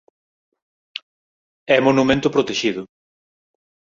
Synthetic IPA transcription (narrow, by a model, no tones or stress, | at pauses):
ɛmonumẽnt̪ʊpɾot̪eʃiðʊ